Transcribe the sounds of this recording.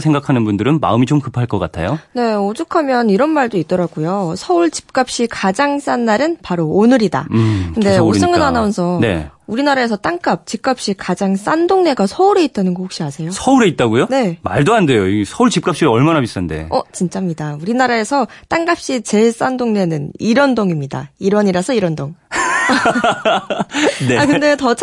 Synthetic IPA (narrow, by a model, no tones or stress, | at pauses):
sʰe̞ŋɡakʰanɯnbundɯɾɯnma̰ɯmit͡ɕomkɯpʰaɭk͈ʌk͈atʰa̰jone̞od͡ʑukʰamjʌniɾʌnmaɭdoit̚t͈ʌɾaɡujosʰʌuɭt͡ɕi̥p̚k͈ap̚ɕ͈ikad͡ʑaŋs͈anːaɾɯnpaɾoːnɯɾida̰kɯnde̞s͈ɯŋɯnanaonsʰʌne̞̰uɾinaɾae̞sʰʌt͈aŋk͈ap̚t͡ɕik͈ap̚ɕ͈ikad͡ʑaŋs͈andoŋne̞ɡasʰʌuɾe̞it̚t͈anɯnkokɕ͈iasʰe̞josʰʌuɾe̞it̚t͈aɡujone̞ma̰ɭdoande̞joiɡsʰʌuɭt͡ɕip̚k͈ap̚ɕ͈iʌɭmanabis͈ande̞̰ʌt͡ɕint͡ɕ͈ʰamɲidauɾinaɾae̞sʰʌt͈aŋɡap̚ɕ͈it͡ɕe̞s͈andoŋne̞nɯniɾʌndoŋimɲida̰iɾʌɲiɾasʰʌiɾʌndoŋ | neakɯnde̞tʌt͡ɕʰ